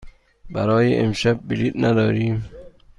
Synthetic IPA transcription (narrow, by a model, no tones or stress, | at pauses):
bæɾɒːjeʔemʃæb̚ːilit̪nʔæd̪ɒːɾiːm